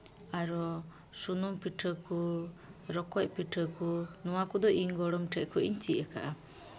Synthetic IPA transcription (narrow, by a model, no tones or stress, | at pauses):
aɾɔ | sunumpiʈʰəku | ɾɔkɔc̚piʈʰəkunɔwakɔd̪ɔʔiŋɡɔɽɔmʈʰɛʔkʰɔʔḭɲt͡ʃiaka̰ʔa